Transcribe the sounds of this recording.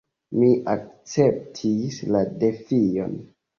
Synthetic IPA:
miʔak̚t͡sep̚tʰislade̞fijo̰n

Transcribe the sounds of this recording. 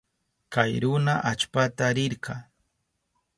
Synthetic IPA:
kajɾʊnaʔat͡ʃpat̪aɾɪɾɢɑ

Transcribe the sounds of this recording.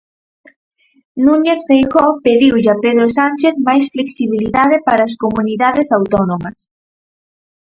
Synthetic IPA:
nũɲeθfejɣɔpeðiwʎapeðɾosanʲt͡ʃeθmajsfleksiβ̞iliðaðepaɾɐːskomuniðaðesawt̪ɔnomɐs

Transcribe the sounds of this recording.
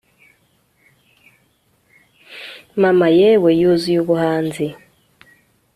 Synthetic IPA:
mamajɛwɛjozijoβuhanzi

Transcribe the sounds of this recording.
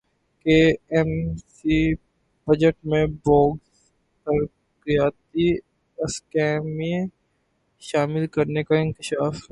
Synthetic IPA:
keːɛmsi | b̥ɐd͡ʒəʈmẽbɔːɡs | pɐɾ | kɾɪjaːt̪i | ɐskɛːmĩ | ʃaːmɪlkɐɾnekaɪ̃ŋkɪʃaːf

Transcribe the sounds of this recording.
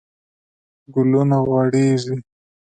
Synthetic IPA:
ɡʊlunaɣwaɽeʐi

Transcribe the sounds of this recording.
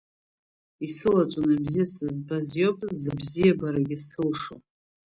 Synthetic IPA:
isɨlat͡ʃʷʼonabzijasɨzbazjopʼzɨbzijabaɾaɡʲɪsɨlʂo̰

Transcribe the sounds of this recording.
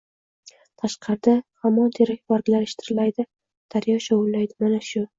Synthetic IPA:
t̪ʰaʃqʰɑɾd̪ahamːɒnt̪ʰeɾak̚ʲbaɾɡʲlaɾɪʃt̪ʰɪɾɪlajd̪ɪ | d̪̥aɾjɒʃɒwʊlːajd̪ɪmanaʃʊ

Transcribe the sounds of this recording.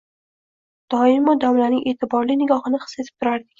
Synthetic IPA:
d̪̥ɒɪmːɒd̪ɒmlanɪŋʔe̞t̪ʰɪbɒɾlɪnɪɡʲɒhɨnɪχɨ̥sːe̞t̪ʰɪ̥p̚t̪ʰʊɾaɾd̪ɪkʲ

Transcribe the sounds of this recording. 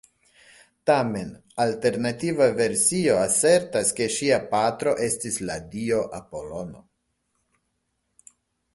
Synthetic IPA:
tame̞nalte̞ɾnativave̞ɾsio̞ase̞ɾtaske̞ʃiapatɾo̞ʔe̞stisladio̞ʔapo̞lo̞no̞̰

